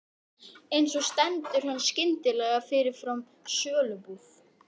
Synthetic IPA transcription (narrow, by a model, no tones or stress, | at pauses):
ejnsɔst̪ɛnt̪ʏɾ̥hanːscɪnt̪ɪlɛɣafɪɾɪɾ̥fɾam | sœːlʏpʏθ